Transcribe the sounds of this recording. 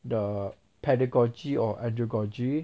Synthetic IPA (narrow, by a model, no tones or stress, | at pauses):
də | pʰɛdəɡɔd͡ʒiɔʔɛ̃ndɹoɡɔd͡ʒi